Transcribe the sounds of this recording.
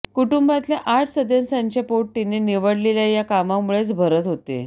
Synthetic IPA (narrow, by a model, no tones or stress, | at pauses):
kuʈumbat̪ljaʔaʈʰsəd̪jansaɲt͡ɕapoʈ̚ʈːineniʋəɽleljajakamamuɭet͡sbʱəɾət̪ɦot̪ḛ